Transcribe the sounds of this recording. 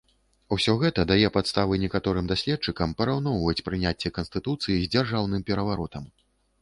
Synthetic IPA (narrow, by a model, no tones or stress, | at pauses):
usʲɔɣɛt̪ɐd̪ajɛpat̪st̪avɨnʲɛkat̪ɔɾɨmd̪asʲlʲɛt̚t͡ʂɨkɐmpɐɾawnɔwvɐt͡sʲpɾɨnʲat͡sʲːɛkɐnst̪ɨt̪ut̪sɨjizʲd͡zʲarʐawnɨmpʲɛɾɐvaɾɔt̪ɐm